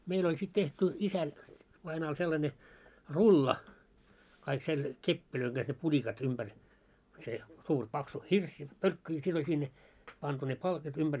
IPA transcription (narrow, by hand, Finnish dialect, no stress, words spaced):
meil olʲ sit tehty isæ ʋɑinɑːl selːɑnʲe rulːɑ kɑik sel kepːiløiŋ ɡ̊ɑs ne pulʲikɑt umb̥ær se suːr pɑksu hirs pølkːy jɑ sit olʲ sinːe pɑntu ne pɑlkit ymb̥ær